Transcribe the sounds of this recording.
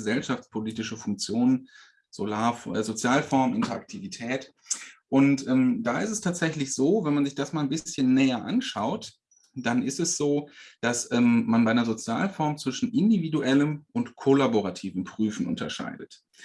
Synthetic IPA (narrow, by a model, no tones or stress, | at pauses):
zɛlʃaft͡spʰoliːtɪʃəfʊŋk̚t͡sjoːnən | z̥olaːɐfzot͡sjaːlfɔɐməʔɪntɐak̚tʰivitʰɛːt | ʔʊntʔɛːmdaːɪstɛstʰaːtz̥ɛçlɪçz̥oːvɛnmanzɪçd̥asmaːlnbɪsçənːɛːɐʔa̰nʃaʊt | d̥anɪstɛsz̥oːd̥asʔɛːmmanbaɪnɐzot͡sjaːlfɔɐmt͡sv̥ɪʃn̩ʔɪndividuʔɛləmʔʊntkʰolaboʁatʰiːvəm̩pʁ̥yːfn̩ʔʊ̰ntɐ̰ʃa̰ɪdət